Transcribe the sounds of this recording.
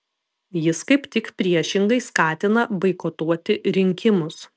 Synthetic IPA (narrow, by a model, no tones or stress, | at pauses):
jɪskɐɪpt̪ʲɪkpʲɾʲiɛʃʲɪŋɡɐɪskɑːt̪ʲɪnɐbɐɪkoːt̪uɔt̪ʲɪɾʲɪŋʲkʲɪmʊs